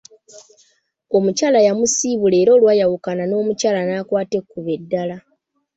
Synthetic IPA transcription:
o̞mucaːlajamusiːβule̞ːɾo̞ːlwaːjawukanano̞ːmucaːlanaːkwaːte̞kːuβedːala

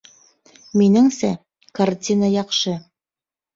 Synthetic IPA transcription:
minɘŋsæ | kartʲinəjɑqʃɤ

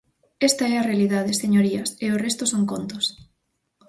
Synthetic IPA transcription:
est̪ɐɛɐrealiðað̞eseɲoɾiɐseorest̪ʊsoŋkont̪ʊs

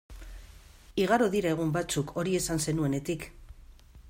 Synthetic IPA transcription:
iɣ̞aɾoðiɾae̞ɣ̞umbat͡sukʰo̞ɾie̞sanse̞nue̞ne̞t̪ik

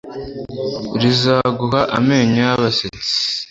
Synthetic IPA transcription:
ɾizaɡuɦaʔame̞ːɲaaβasit͡si̥

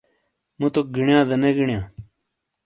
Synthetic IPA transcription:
mũt̪oɡiɳjãːd̪ɐneɡiɳjãː

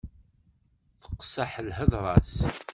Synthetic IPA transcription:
θə̥qːsaħəlɦəðˤɾˤɑs

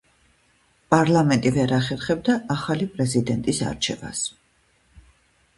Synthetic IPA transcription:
pʼaɾlˠamɛnt̪ʼivɛɾaχɛɾχɛb̚d̪aʔaχalipʼɾɛzid̪ɛnt̪ʼisa̰ɾt͡ʃʰɛva̰s

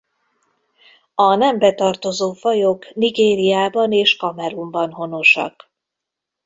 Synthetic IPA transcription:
ɒnɛmbɛt̪ɒrt̪o̞zoːfɒjokniɡeːɾijaːbɒneːʃkɒmɛɾumbɒnɦo̞no̞ʃɒ̰k

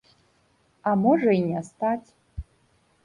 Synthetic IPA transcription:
amoʐɐinʲast̪atʲ

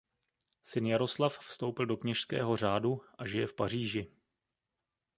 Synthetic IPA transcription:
sɪnjaɾo̞slaffst̪o̞wpɪldo̞kɲɛʃskɛ̰ːɦo̞r̝aːduʔaʒɪjɛfpar̝iːʒɪ

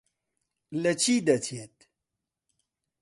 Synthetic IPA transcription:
lɐt͡ɕʰid̪ɐt͡ɕʰiet̪

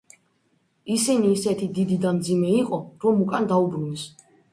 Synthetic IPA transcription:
isiniːsɛt̪ʰid̪id̪id̪anmd̪zimɛiqʼɔɾɔmukʼand̪aubɾunɛs

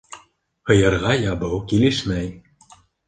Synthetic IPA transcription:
hɤ̆jɤ̆ɾʁɑjɑbɤwkilɘʃmæj

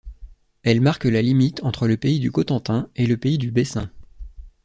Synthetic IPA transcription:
ɛlmaʁkəlalimit̪ɑ̃t̪χələpeid̪ykɔt̪ɑ̃t̪ɛ̃eləpeid̪ybesɛ̰̃

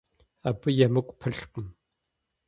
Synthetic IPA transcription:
abɨjɐmɨkʷʼpʰɨɬqəm

